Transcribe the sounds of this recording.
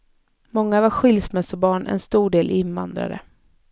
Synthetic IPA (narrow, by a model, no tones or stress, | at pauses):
mɔŋːavaɾɧɪlsmɛsɔbɑːɳɛ̰nst̪uːɖeːlʔɪnva̰nd̪ɾa̰d̪ə̰